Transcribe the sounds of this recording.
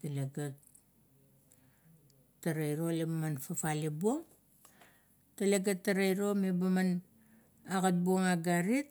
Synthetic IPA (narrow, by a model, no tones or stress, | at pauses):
taleɡat | tːaɾajɾolebamanfafalibuoŋ | taleɡatːaɾajɾo̞mebaman | aɡat̚buoŋaɡaɾit̚